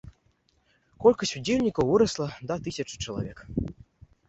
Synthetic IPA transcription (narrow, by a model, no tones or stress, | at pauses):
kɔlʲkɐsʲud͡zʲelʲnʲikɐwvɨɾɐslˠɐd̪at̪ɨsʲɐt͡ʂɨ̥t͡ʂɐlˠa̰vʲɛk